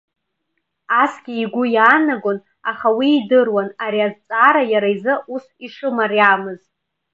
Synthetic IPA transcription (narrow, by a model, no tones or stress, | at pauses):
asɡʲiːɡʷʊjaːnaɡʷon | aχawiːdɨrwanaɾiazt͡sʼaːɾajaɾaizɨʔusiʂɨmariaːmɨzt